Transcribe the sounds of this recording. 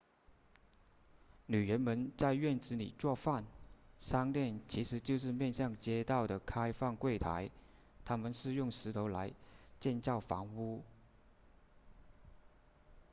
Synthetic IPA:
ny˨˩ɻə˧˥nmə˧˥nt͡sa˥˧ɪɥɛ˥˩nʈ͡ʂɻ̩˧˥nḭ˨˩t͡swɔ˥˧fa˥˩nʂɑ˥ŋt̪jɛ˥˩nt͡ɕʰi˧˥ʂɻ̩˧˥t͡ɕjo˥˧ʊʂ̬ɻ̩˥˧mjɛ˥˧nɕjɑ˥˩ŋt͡ɕjɛ˥t̪ɑ˥˩ʊd̪ə˩kʰa˥ɪfɑ˥˧ŋkwe˥˩ɪt̪ʰa˧˥ɪ | t̪ʰa˥mə˨nʂɻ̩˥˧jʊ˥˩ŋʂɻ̩˧˥t̪ʰo˧˥ʊla˧˥ɪt͡ɕjɛ˥˧nt͡ɕjɑ˥˩ʊfɑ̰˧˥ŋu˥

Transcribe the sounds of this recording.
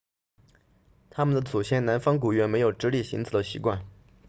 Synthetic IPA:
t̪ʰa˥mə˨nd̪ə˩t͡su˨˩ɕjɛ˥nna˧˥nfɑ˥ŋk̬u˨˩ɥɛ˧˥nme˧˥ɪjo˨˩ʊʈ͡ʂɻ̩˧˥li˥˩ɕi˧˥ŋt͡sʰɹ̩˨˥˩d̪ə˧ɕḭ˧˥kwa˥˩n

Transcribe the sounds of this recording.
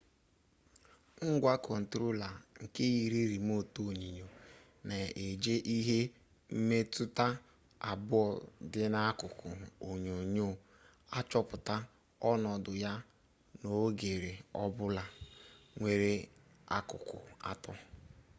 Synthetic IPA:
ŋ̩˦ɡʷa˦kɔ˨n̩˨tɾo˦la˨ŋ̩˨ke˦ji˨ɾi˦ɾi˨m˦o˦˨to˦˨ɲi˨ɲo˨ | ne˨e˨d͡ʒe˦ʔi˦ɦe˦ | m̩˦me˦tu˦ta˦ | a˨bʊ˦ɔ˨dɪ˦na˦kʊ˨kʊ˨o˨ɲo˨ɲo˦˨ | a˦t͡ʃɔ˦pʊ˨ta˦ | ɔ˦nɔ˨dʊ˨ja˦ | no˨˦ɡe˨ɾe˨ɔ˦bʊ˦la˨ŋʷe˦ɾe˦ | a̰˦kʊ̰˨kʊ̰˨a̰˦tɔ˦

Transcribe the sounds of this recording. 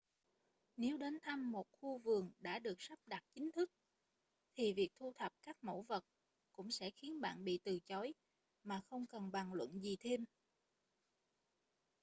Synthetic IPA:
ne˨˦wɗe˨˦nt̪ʰa˧mːo˨˩t̚xu˧vɨ˨˩əŋɗa̰ː˧˥ɗɨ˨˩ək̚sa˦˥p̚ɗa˨˩t̚t͡ɕï˨˦ŋ̟t̪ʰɨ˦˥k̚ | t̪ʰi˨˩vi˨˩ək̚t̪ʰu˧t̪ʰə˨˩p̚kaː˦˥k̚mo̰˧˥˩wvə˨˩t̚ | kʊ̰˧˥ŋ͡msɛ̰˧˥xi˨˦ənɓa̰ː˧˨nɓḭ˧˨t̪ɨ˨˩t͡ɕɔ˨˦j | maː˨˩xə˧wŋ͡mkə˨˩nɓa˨˩ŋlwə̰˧˨nzi˨˩t̪ʰe˧m

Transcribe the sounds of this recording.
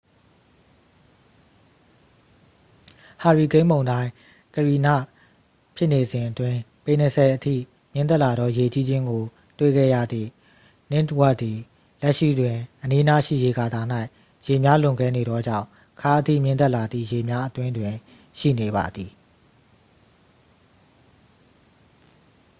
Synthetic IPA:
ha˨ɹi˨ɡẽ˦ɪ̃mbõ˨ʊ̃ndã˦ɪ̃ | kəɹi˨na̰˦˨ | pʰjɪ˦ʔne˨zɪ̃˨ʔətwɪ̃˨pe˨nə˨sʰɛ˨ʔətʰḭ˦˨ | mjɪ̃˦˨t̪̬ɛ˦ʔla˨dɔ˦je˨t͡ɕi˦d͡ʑɪ̃˦ŋɡo˨ | twḛ˦˨ɡɛ̰˦˨jä̰˦˨d̪ðḭ˦˨ | nɪ˦twɛ˦d̪i˨ | lɛ˦ʔʃḭ˦˨dwɪ̃˨ʔəni˦na˦ʃḭ˦˨je˦ɡa˨d̪a˨n̥a˦ɪ | je˨mja˦lʊ̃˨ŋɡɛ˦ne˨ɾɔ˦d͡ʑã̰˦˨ʊ̃ | kʰa˦ʔətʰḭ˦˨mjɪ̃˦nt̪ɛ˦ʔla˨d̪ðḭ˦˨je˨mja˦ʔət̪wɪ̃˦ndwɪ̃˨ | ʃḭ˦˨ne˨ba̰˨d̪ði˨

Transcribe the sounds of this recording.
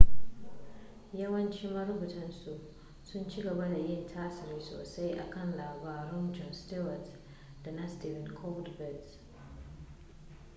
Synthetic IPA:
jɐ˦wɐ˦nt͡ʃi˦mɐ˦ɾʊ˦bu˨tɐ˦nsu˨ʔ | sʊ˦nt͡ʃi˦ɡɐ˨ba˦da˨jɪ˦˨ntʰaː˦sɪ˨ɾiː˦so̰ː˨sa˦jʔa̰˨kɐ˦˨nlaː˨baː˨ɾɔ˦nd͡ʒɔ˦nstɪ˦wɐ˨t | d̥a˨na˦stiː˦vɪ˨nkʰɔ˦bdbɛ˨d

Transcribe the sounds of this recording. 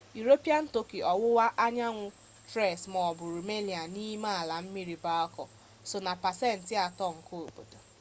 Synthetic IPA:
ju˨ɾo˦pi˦a˦n̩˦to˦ki˨ɔ˨wʊ˦wa˦ʔa˦ɲa˦ŋʷʊ˦ | tɾɛ˦˨smɔ˨bʊ˨ɾu˨me˦li˨a˨ni˦ma˦a˨la˨m̩˦mi˦ɾi˨ba˦ɔ˦kɔ˨ | sʊ˨na˨pa˨sɛ˦˨n̩˨tɪ˦a˨tɔ˦˨ŋ̩˨ko˦o˨bo̰˨do˨

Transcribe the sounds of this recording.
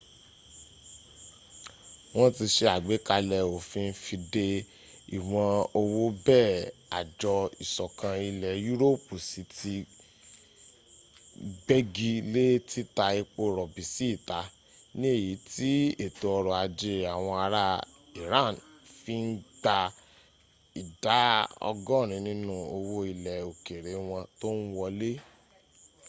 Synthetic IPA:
w̃ɔ̃˦ti˧ʃe˧a˨ɡ͡be˨˦ka˧lɛ˨o˨fĩ˧n̩˦fi˧de˧ | i˨w̃ɔ̃˧o˧wo˦bɛː˦˨a̰˨d͡ʒɔ˧i˨sɔ˨kã˧i˧lɛ˨ju˦ɾo˦˨pu˨si˨˦ti˧ | bɛ˦ɡi˧le˦tʰi˦ta˧e˧k͡po˦ɾɔ˨bi˨si˦i˦˨ta˨˦ | nĩ˦e˦˨ji˨˦ti˦e˨to˨˧ɔ˧ɾɔ˨a˧d͡ʒi˧ɾi˦˨a˨w̃ɔ̃˧a˧ɾa˦ | i˨ɾã˦˨n | fi˦n̩˦ɡ͡ba˧ | i˨da˨˦ɔ̰˧ɡɔ̃˦˨ɾ̃ĩ˨˧˦nĩ˦nũ˦o˧wo˦i˧lɛ˨o˨ke˨ɾe˨˦w̃ɔ̃˧to˦n̩˦wɔ˧le˦

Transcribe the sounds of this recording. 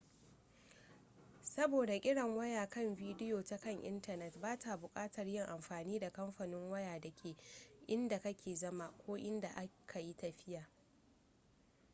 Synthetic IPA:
sɐ˦boː˨da˨kʲʼɪ˦ɽɐ˨ŋwɐ˦jaː˨kɐ˦˨mviː˦dɪ˦joː˨ta˦kɐ˦ŋʔɪ̰˦ntɐ˨nɛ˨tbaː˦tʰa˨bʊ˨kʼaː˦tɐ˨rjɪ˦ŋʔa˨mɸaː˨niː˦da˨kɐ˦mɸa˨nɪ˦ŋwɐ˦jaː˨dɐ˨kʲʰeː˨ʔɪ˦nda˨kɐ˦kʲʰeː˨zɐ˦ma˦˨kʷoː˦ʔɪ˦nda˨ʔa˦kʰa˨ji˦tɐ˨ɸɪ˦jaː˨

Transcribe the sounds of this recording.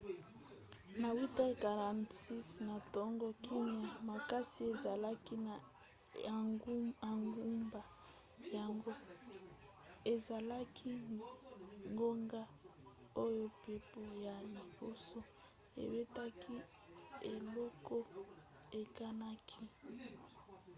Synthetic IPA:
na˨wi˦ta˦˨ka˨ʁa˨ntsi˦sna˨tɔ˦ŋɡo˦kʰi˦ɲa˨ma˨ka˦si˦e˨za˨la˦ki˦na˨˦ | a˨ŋɡu˦mba˨ | ja˨ŋɡo˦ | e˨za˨la˦kʰi˦ | ŋɡo˦ŋɡa˦ | o˦jo˦pe˦po˦ja˨li˨bo˦so˨ | ḛ˨be˦ta˦kʰi˦ | e˨lɔ˦ko˦ | e˨ka˦na˦kʰi˦

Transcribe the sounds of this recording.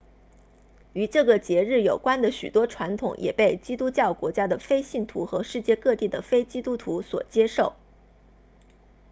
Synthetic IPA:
y˧˥ʈ͡ʂɤ˥˩ɡə˩t͡ɕjɛ˧˥ɻɻ̩˥˩jo˨˩ʊkwa˥nd̪ə˨ɕy̰˨˩t̪wɔ˥ʈ͡ʂʰwa˧˥nt̪ʰʊ̰˨˩˦ŋjʔɛ̰˨˩pe˥˩ɪt͡ɕi˥t̪u˥t͡ɕjɑ˥˩ʊkwɔ˧˥t͡ɕja˥d̪ə˨fe˥ɪɕi˥˩nt̪ʰṵ˧˥xɤ˧˥ʂɻ̩˥˧t͡ɕjɛ˥˧kɤ˥˧t̪i˥˩d̪ə˩fe˥ɪt͡ɕi˥t̪u˥t̪ʰu˧˥swɔ̰˨˩t͡ɕjɛ˥ʂo˥˩ʊ

